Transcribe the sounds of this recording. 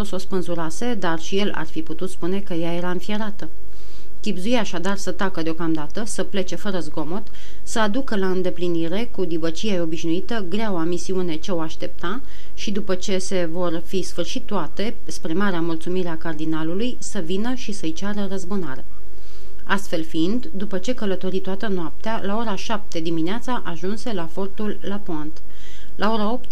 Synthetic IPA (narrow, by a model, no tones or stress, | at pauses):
osospɨnzuɾase̞d̪arʃije̞la̰rfiput̪ut̪spune̞kəjaje̞ɾaɨnfijeɾat̪ə | kʲibzujaːʃad̪arsət̪akəd̪eo̞kamd̪at̪əsəple̞t͡ʃe̞fəɾəzɡo̞mo̞t̪ | səad̪ukəlaɨnd̪e̞pliniɾe̞kud̪ibət͡ʃijajo̞biʃnuit̪əɡɾeawamisiune̞t͡ʃe̞oaʃt̪e̞p̚t̪a | ʃid̪upət͡ʃe̞se̞vo̞rfisfɨrʃit̪ːoat̪e̞ | spɾe̞maɾeamult̪sumiɾeakard̪inalulujsəvinəʃisəɨjt͡ʃaɾərəzbunaɾe̞̰ | ast̪fe̞lfiind̪d̪upət͡ʃe̞kələt̪o̞ɾit̪oat̪ənoap̚t̪ealao̞ɾaʃap̚t̪e̞d̪imineat̪saʔaʒunse̞lafo̞rt̪ulːapoant̪ | lʔao̞ɾao̞p̚t̪